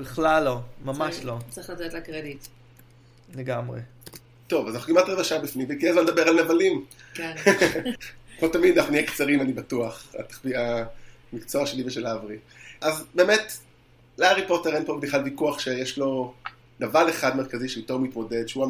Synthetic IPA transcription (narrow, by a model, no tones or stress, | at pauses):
biχlalːomamaʃlot͡seχlatɛt̪lɐkʁedit | leɡamʁḛ | to̞vazanaχukimatʁevaʃabifnimvekiezmanlːed̪abeʁalnavalimken | kmotamid̪anaχuniekt͡saʁimanibatuaχa̰t̪ḁχvia | mikt͡soaʃeliveʃelavʁi | ʔazbe̞ːmet | leaʁipoteʁnpobdiχalvikuaχʃejeʃlo̞ | navale̞χadmeʁkaziʃeitoʁmitmo̞de̞dʃeua